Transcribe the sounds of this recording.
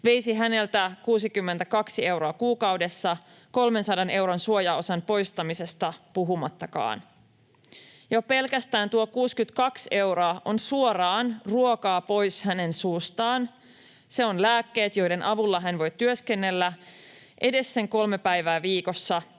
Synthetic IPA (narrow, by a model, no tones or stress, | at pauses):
ʋe̞jsiɦæne̞lt̪ækuːsikymːent̪ækɑksie̞wɾo̞ɑkuːkɑwde̞sːɑ | ko̞lme̞nsɑdɑne̞wɾonsuojɑo̞sɑnpo̞jst̪ɑmise̞st̪ɑpuɦumɑt̪ːɑkɑ̰ːn | jope̞lkæst̪æːnt̪uokuːskyt̪kɑkse̞wɾoɑʔonsuorɑːnruokɑːpo̞jshæne̞nsuːst̪ɑːn | se̞onlæːkːe̞ːt̪jo̞jde̞nʔɑʋulːɑɦænʋo̞jt̪yøskenːe̞lːæ | ʔe̞de̞sːe̞ŋko̞lme̞pæjʋæːʋiːko̞sːɑ